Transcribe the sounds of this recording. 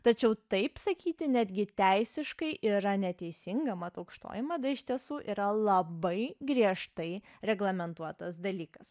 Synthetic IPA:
t̪ɐt͡ʃʲɛʊt̪ɐɪpsɐkʲiːt̪ʲɪnʲæd̪ʲɡʲɪt̪ʲæɪsʲɪʃkɐɪʔʔiɾɐnʲɛt̪ʲɛɪsʲɪŋɡɐmɐt̪ɐʊkʃt̪o̰ːjɪmɐd̪ɐɪʃt̪ʲiɛsuːʔiɾɐlˠɐbɐɪɡɾʲiɛʃt̪ɐɪɾʲɛɡlˠɐmʲɛnt̪uɔt̪ɐsd̪ɐlʲiːkɐs

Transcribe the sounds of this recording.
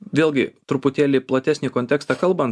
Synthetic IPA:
ʋʲeːlˠʲɡʲɪt̪ɾʊpʊt̪ʲeːlʲɪplˠɐt̪ʲæːsʲnʲiːkoːnʲt̪ʲɛːkst̪ɑkɐlˠbɐn

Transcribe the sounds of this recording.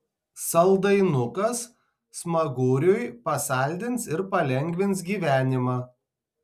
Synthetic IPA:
sɐlˠd̪ɐɪnʊkɐsː | mɐɡʊːɾʲʊjpɐsɑˑlʲd̪ʲɪnsɪɾpɐlʲɛŋʲɡʲʋʲɪns̬ɡʲiːʋʲæːnʲɪmɑː

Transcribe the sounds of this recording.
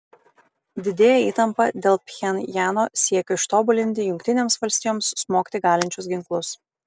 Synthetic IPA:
d̪ʲɪd̪ʲeːjɛiːt̪ɐmpɐd̪ʲeːlˠpʲxʲɛnʲjæːnoːsʲiɛkʲʊɪʃt̪oːbʊlʲɪnʲt̪ʲɪjʊŋkʲt̪ʲɪnʲeːmsʋɐlʲsʲt̪ʲiːjoːmsmoːkʲt̪ʲɪɡɑːlʲɪnʲt͡ʃʲʊsɡʲɪŋklˠʊs

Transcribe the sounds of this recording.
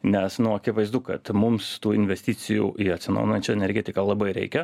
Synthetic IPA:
nʲɛsnʊɐkʲɪʋɐɪzd̪ukɐ̰t̪mʊmst̪uːɪnʲʋʲɛsʲt̪ʲiːt̪sʲɪjṵːʔiɐt̪ʲsʲɪn̰ʊnɐnʲt͡ʃʲɛɛnʲɛɾʲɡʲet̪ʲɪkɐlˠɐbɐɪɾʲɛ̰ɪkʲɛ

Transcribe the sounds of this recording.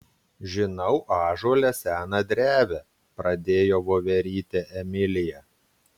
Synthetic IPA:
ʒʲɪnɐʊʔɑːʒoːlʲɛsʲæːnɐd̪ʲɾʲæːʋʲɛ | pɾɐd̪ʲeːjoːʋoːʋʲɛɾʲiːt̪ʲeʔɛmʲɪlʲɪjɛ

